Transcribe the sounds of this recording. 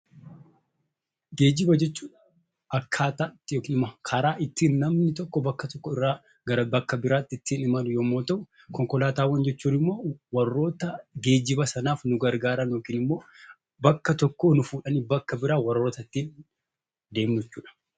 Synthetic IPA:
ɡe̞ːd͡ʒɪbɐd͡ʒɛt͡ʃːuːᶑɐ̥ | ɐkʰːaːt̪at̪ːjoːkiːnɪmɐkʰɐɾaːɪt̪ːiːnːɐmnɪt̪ɔkːɔbɐkːɐt̪ɔkːɔɪrːaː | ɡɐɾɐbɐkːɐbɪɾaːt̪ːɪt̪ːiːnɪmɐnʊjoːmːo̞ːt̪ɐʔʊ | kɔŋkɔlaːt̪aːwːɐnd͡ʒɛt͡ʃːuːnɪmːo̞ːwɐrːo̞ːt̪ɐɡeːd͡ʒɪbɐsɐnaːfnʊɡɐɾɡaːɾɐnjo̞ːkiːnɪmːo̞ː | bɐkːɐt̪ɔkːo̞ːnʊfuːᶑɐniːbɐkːɐbɪɾaːwɐrːo̞ːt̪ɐt̪ːiːn | d̪e̞ːmnɪt͡ʃːuːᶑɐ̥

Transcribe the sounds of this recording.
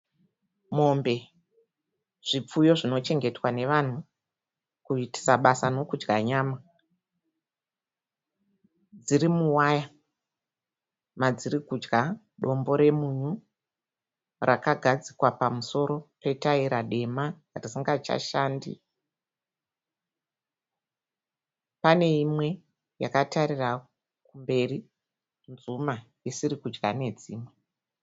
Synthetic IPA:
mo̞mbe̞ | ʐ̥ip͡fujo̞ʐino̞t͡ʃe̞ŋɡe̞twane̞ʋan̤u | kuiti̥saɓasano̞kud͡ʒɡaɲaːma | d͡zirimuwaja | mad͡zirikud͡ʒɡa | ɗo̞mbo̞ɾe̞muɲu | rʔakaɡʱad͡zikwapamuso̞ɾo̞pe̞taiɾaɗe̞ma | risiŋɡat͡ʃa̰ʃaːndḭ | pane̞imwe̞ | ja̰kataɾira | kumbe̞ri | nzuma | isiɾikud͡ʒɡane̞d͡ziːmwe

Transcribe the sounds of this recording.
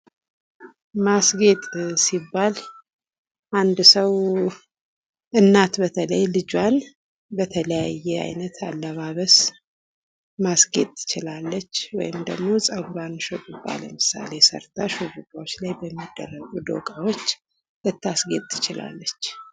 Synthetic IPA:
masɡe̞t̪ʼsibːal | ʔand̪səw | ʔɨnːat̪bət̪ʰələjlɨd͡ʒwan | bət̪ʰələjajːɛa̰jnət̪ʰa̰lːəβaβəs | masɡe̞t̪ʼʰːɨ̥t͡ʃɪlalːət͡ʃːwɔ̰jɪmd̪əɡmo̞sʼəwbanʃot̪ʼubːa̰lə̰mɨsa̰le̞sə̰ɾt̪ʰaʃobukʼawot͡ʃːlajbəmːid̪ːə̰rːəɡud̪o̰kʼawot͡ʃː | lɨt̪ːasɡe̞t̪ʼːɨ̥t͡ʃɪla̰lːət͡ʃː

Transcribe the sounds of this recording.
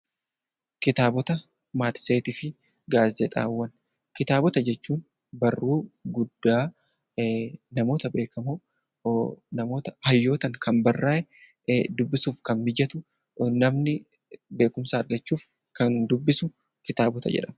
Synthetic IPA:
kɪt̪aːbɔt̪ɐ | maːt̪seːt̪ɪfɪ | ɡaːzɛt̪ʼa̰ːwːɐn | kɪt̪aːbɔt̪ɐd͡ʒɛt͡ʃːuːn | bɐrːuːɡʊd̪ːaː | nɐmo̞ːt̪ɐbe̞ːkɐmoː | nɐmo̞ːt̪ɐhɐjːo̞ːt̪ɐŋkʰɐnbɐrːaːʔɛ | d̪ʊbːɪsuːfkɐnmɪd͡ʒɐt̪ʊ | nɐmnɪ | be̞ːkʊmsaːɐɾɡɐt͡ʃːuːf | kɐnd̪ʊbːɪsʊ | kɪt̪aːbɔt̪ɐ̰d͡ʒɛ̰ᶑɐm

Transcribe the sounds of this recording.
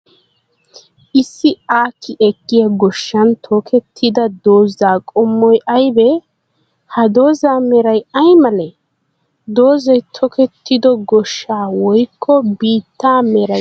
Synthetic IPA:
ʔɪsːɪaːkʰːɪʔɛkːɪjaɡɔʃːɐnt̪ʰɔkʰɛt̪ʰːɪd̪ɐd̪o̞ːzaːkʼɔmːɔjʔɐjbɛ | hɐd̪oːzaːmɛɾɐjɐjmɐlɛ | d̪oːzɔjt̪ʰɔkʰɛt̪ʰːɪd̪ɔɡɔʃːaːwɔjkʰːɔbiːt̪ːaːmɛɾɐ

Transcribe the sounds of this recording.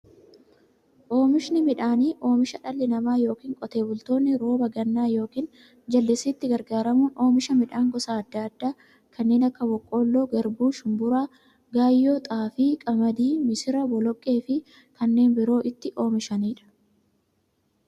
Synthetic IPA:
ʔo̞ːmɪʃnɪmɪᶑaːniːʔo̞ːmɪʃɐᶑɐlːɪnɐmaːjo̞ːkiːŋkʼɔt̪e̞ːbʊlt̪o̞ːnːɪɾo̞ːbɐɡɐnːaːjo̞ːkiːn | d͡ʒɐlːɪsɪːt̪ːɪɡɐɾɡaːɾɐmuːno̞ːmɪʃɐmɪᶑaːŋɡɔsaːd̪ːaɐd̪ːaː | kʰɐnːe̞ːnɐkːɐwɔkʼːo̞ːlːo̞ːɡɐɾbuːʃʊmbʊɾaː | ɡaːjːoːt̪ʼaːfiːkʼɐmɐd̪iːmɪsɪɾɐbɔlɔkʼːe̞ːfɪ | kɐnːe̞ːnbɪɾo̞ːʔɪt̪ːɪʔo̞ːmɪʃɐniːᶑɐ̥

